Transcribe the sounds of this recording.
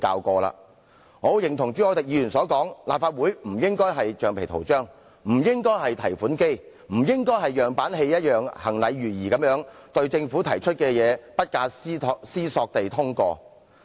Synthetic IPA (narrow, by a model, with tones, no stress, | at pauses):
ka̰ː˧wkɔː˧la̰ː˧ | ho˨˧wjɪ˨˩ŋt̪ʰʊ˨˩ŋt͡ʃy˨˥ɔː˨˥t̪ɪ˨k̚jiː˨˧jyː˨˩nsɔː˨˥kɔː˨˥ŋlaː˨pfaː˧t̚wuː˨˥jm̩˨˩jɪ˥ŋkɔː˥jɦɐ˨jt͡ʃœː˨˧ŋpʰe˨˩jt̪ʰo˨˩wt͡ʃœː˥ŋ | m̩˨˩jɪ˥ŋkɔː˥jɦɐ˨jt̪ʰɐ˨˩jfuː˨˥nke˥j | m̩˨˩jɪ˥ŋkɔː˥jɦɐ˨jœː˨ŋpaː˨˥nɦe˧jjɐ˥t̚jœː˨ŋhɐ˨˩ŋlɐ˨˧jɥyː˨˩jiː˨˩kɐ˨˥mjœː˨˥ŋt̪ɵ˧ɥt͡sɪ˧ŋfu˨˥t̪ʰɐ˨˩jt͡ʃʰɵ˥t̚kɛː˧jɛː˨˧pɐ˥t̚kaː˧sʰsiː˥sɔː˧k̚t̪e˨jt̪ʰʊ˥ŋkɔː˧